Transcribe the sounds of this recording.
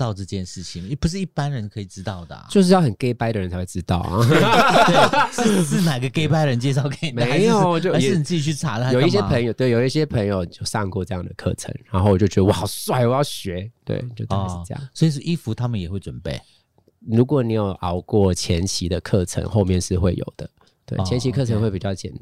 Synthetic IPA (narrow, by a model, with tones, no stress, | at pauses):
t̪ɑ˥˧ʊʈ͡ʂɤ˥˧t͡ɕjɛ˥˧nʂɻ̩˥˩t͡ɕʰi˨˩ŋ˥˩pu˧ʂ̬̩˥˩i˥˩pa˦nɻə˧˦nkʰɤ˧˥i˨˩ʈ͡ʂɻ̩˦˥t̪ɑ˥˩ʊd̪ə̰˩˨t͡ɕo˥˧ʊʂ̬ɻ̩˥˩jɑ˥˩ʊhə˨˩nke˥ɪpa˥ɪd̪ə˨˩ɻə˧˦nt͡sʰwe˥˩ʈ͡ʂɻ̩˥˦˥t̪ɑ˥˩ʊ̰˨˧˩ | ʂ̩˥˧˥na˨˩˨ɡə˨˦ke˥ɪpa˥ɪə˨ə˧˦nt͡ɕjɛ˥˧ʂ̬ɑ˥˩ʊke˨˩ni˨me˥˧˦ɪ˥jo˨˩ʊt͡ɕjo˥˩a˧˥˨ni˨˩t͡sɨ˥t͡ɕi˨˩t͡ɕʰy˥˩t͡sʰa̰˨˥də˨˧˦jo˨˩i˥˩ɕ̬jɛ˥˧pʰə˧˥ŋjo˨ʊt̪we˥˩ɪjo˨˩ʊi˥˩ɕjɛ˥pʰə˧˥ŋjo˨ʊ˨˩t͡ɕjo˥˧ʊsɑ˥˧ŋkwɔ˥˧ʈ͡ʂɤ˥˧jɑ˥˩ŋd̪ə̰˩kʰɤ̰˥˩ʈ͡ʂʰə̰˧˥ŋɻa˧a˧˥nxo˥˩wɔ˨˩t͡ɕo˥˩t͡ɕɥɛ˧˥d̪ə˧wa˨˩swa˥˩ɪwɔ˨˩jɑ˥˩ʊɕɥɛ˨˧˥t̪wḛ˥˩ɪ˨t͡ɕjo˥˧ʊ̰˥˧˩j̰swi˨ʂ̩˥˩i˦fu˧˥t̪ʰa˥mə˨njɛ˨˩xwe˥˩ɪʈ͡ʂwə˨˩npe˥˩ɪ | ɻu˧˥kwɔ˨˦ni˨˥˩jo˨˩ʊʔɑ˧˩ʊkwɔ˥˨˩t͡ɕʰjɛ˧˥nt͡ɕʰi˧˥d̪ə˧kʰɤ˥˨˩ʈ͡ʂʰə̰˧˥ŋxo˥˧ʊmjɛ˥˧nʂɻ̩˥˧xwe˥˩ɪjo̰˨˩ʊd̪̥ə˦ | t̪we˥˩ɪt͡ɕʰjɛ˧˦nt͡ɕʰi˧kʰɤ˥˩ə˧˦ŋxwe˥˩pi˨˩t͡ɕjɑ˥˩ʊt͡ɕjɛ̰˨˩n